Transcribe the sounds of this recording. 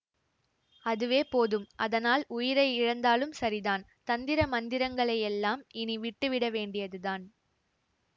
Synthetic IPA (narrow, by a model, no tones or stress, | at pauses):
ɐðɯʋeːpoːðɯmʔɐðɐnaːlʊjɪɾɐɪɪɻɐnd̪aːlɯmsɐɾɪðaːnt̪ɐnd̪ɪɾɐmɐnd̪ɪɾɐŋɡɐɭɐɪjɛlːaːmɪniʋɪʈːɯʋɪɽɐʋeːɳɖɪjɐðɯðaːn